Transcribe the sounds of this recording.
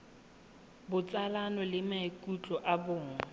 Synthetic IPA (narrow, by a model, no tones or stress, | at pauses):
bʊt͡sʼalanɔlɪmaekʼut͡ɬʼɔʔabʊːŋa